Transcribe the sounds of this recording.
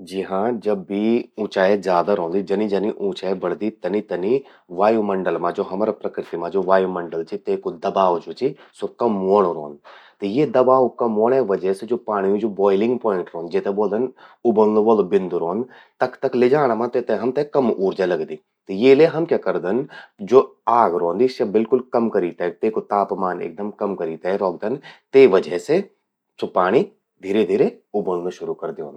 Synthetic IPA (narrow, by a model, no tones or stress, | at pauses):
d͡ʒɪɦãːd͡ʒɐbiũːt͡ʃaːezjaːd̪aɾõːnd̪id͡ʒɐnid͡ʒɐniʔũːt͡ʃaːebɐɽd̪it̪ɐnit̪ɐni | ʋaːjumɐɳɖəlmãːd͡ʒoːɦɐmːɾapɾɐkɾɪt̪imãd͡ʒoːʋaːjumɐɳɖəlt͡ʃit̪ekod̪ɐbaːʋd͡ʒoːt͡ʃisʊb̚kãmoːɽ̃oɾo̰ːnt̪ejed̪ɐbaːʋʊkãmoːɽ̃ẽʋɐd͡ʒəsed͡ʒoːpaːɽ̃ijũd͡ʒoːbɔːɪlɪ̃ŋɡpɔːɪ̃ɳʈɾoːnd͡ʒeːt̪eboːld̪ənʊbənloboːlobɪnd̪uɾoːnd̪ | t̪ɐkʰt̪ɐkled͡ʒaːɽ̃amãt̪et̪eɦɐmt̪ekɐmuːɾd͡ʒalɐɡd̪iː | t̪ejeːleɦɐmkʲakɐɾd̪ənd͡ʒoːaːɡɾõːnd̪isɐbɪlkʊlkɐmkɐɾiːt̪ɐt̪eːkot̪aːpmaːnḛːk̚d̪ɐmkɐmkɐɾiːt̪aɛɾɔːɡ̚d̪ənt̪eːʋɐd͡ʒəɦse | sopaːɽ̃i | d̪ʱiːɾed̪ʱiːɾeʊbəlnoʃʊɾukɐɾd̪eoːn